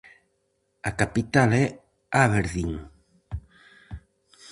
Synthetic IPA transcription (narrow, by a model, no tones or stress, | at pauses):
akapit̪alɛ | aβeɾðiŋ